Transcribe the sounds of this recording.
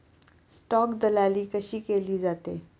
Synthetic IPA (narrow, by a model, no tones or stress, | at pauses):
sʈɔːkd̪əlaːliːkəʃiːkeːliːd͡zaːt̪eː